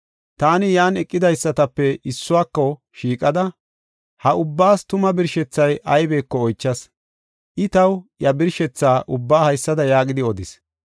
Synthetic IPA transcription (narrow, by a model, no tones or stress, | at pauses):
t̪aːnɪjaːnɛkʼːɪd̪ɐjsːɐt̪ɐpːɛɪsːʊwaːkːɔ | ʃiːkʼɐd̪ɐ | hɐʊbːaːst̪ʊmɐbɪɾʃɛt͡sːɐjʔɐjbe̞ːkːɔɔjt͡ʃːɐs | ʔɪt̪ɐwjɐbɪɾʃɛt͡sːaːʔʊbːaːhɐjsːɐd̪ɐjaːɡɪd̪ɪɔd̪ɪs